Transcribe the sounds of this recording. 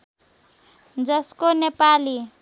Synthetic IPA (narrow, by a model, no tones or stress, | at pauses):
d͡zʌskonepali